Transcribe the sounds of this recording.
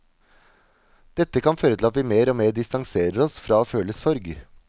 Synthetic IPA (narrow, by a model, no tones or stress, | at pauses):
d̪̥ɛt̪ːəkɑnføːɾət̪ɪlɑt̪ʋɪmeːɾoːmeːɖɪst̪ɑŋseːɾəɾɔsfɾɑːoːføːləsɔɾɡ